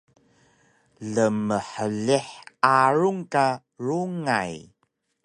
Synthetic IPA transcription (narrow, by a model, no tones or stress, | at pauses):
ɮəməħəɮiħaɾuŋka | ɾuŋaj